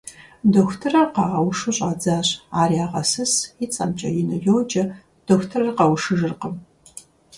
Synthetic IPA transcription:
doːxʷtʰɨrɐqɑʁɐwʂɨɕʼaːd͡zaːɕaːriaːʁɐsɨsɪt͡sʼɐmt͡ʃʼɐ̰jɪnɐjowd͡ʒʼɐ | d̥oːxtʰɐrɐrqɐwʂɨʒɨrqəm

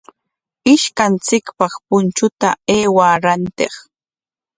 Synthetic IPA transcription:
ɪʃkant͡sɪkpɑχpʊnt͡ʃʊt̪aeːwaɾant̪eχ

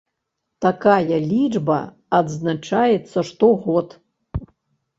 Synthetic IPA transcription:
t̪akajɐlʲid͡ʐbɐ̰ː | d̪znat͡ʂajɛt̪sːɐʂt̪oɣot̪

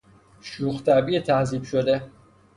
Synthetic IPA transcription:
ʃuxt̪ʰæbiːt̪ʰæhziːbʃod̪e

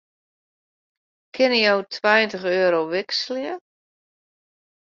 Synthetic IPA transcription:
kʰɪnəjowtʰwajəntəxøːɾowʋɪksljə

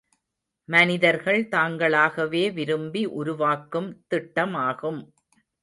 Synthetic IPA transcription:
mɐnɪðɐɾɣɐɭt̪aːŋɡɐɭaːɣɐʋeːʋɪɾɯmbiʔʊɾʊʋaːkːɯmt̪ɪʈːɐmaːɣɯm

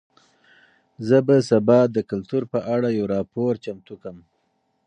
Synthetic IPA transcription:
zəbasabɑd̪əkalt̪uɾpəʔaɽajawɾɑpoɾt͡ʃamt̪ukəm

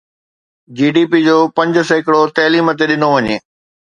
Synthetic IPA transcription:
d͡ʑiːɖiːpid͡ʑoːpɐ̃ɲd͡ʑə̆sɐɦɪkɪɽot̪ɐːliːmət̪̬eɗɪnoʋɐɲeː

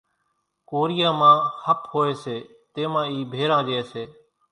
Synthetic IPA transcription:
koːɾɪjãːmãːhəphoːeːseː | t̪ẽːmãːiːbʱeːɾãːd͡ʒeeːseː

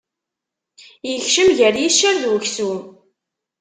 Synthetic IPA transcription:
jəçʃəmʝəɾjiʃːəɾðwəçsu

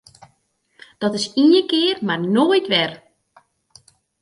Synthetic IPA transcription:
d̥ɔtɪsiəkɪərmarnoːjtʋɛr

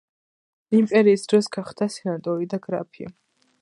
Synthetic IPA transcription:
impʼɛɾiːsd̪ɾɔsɡaχd̪asɛnat̪ʼɔɾid̪aɡɾa̰pʰḭ

